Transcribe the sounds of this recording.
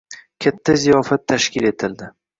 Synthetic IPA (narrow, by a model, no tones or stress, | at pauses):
kʲʰat̪ʰːazijɒfat̪ʰːaʃkʲʰɪle̞t̪ʰɪld̪ɪ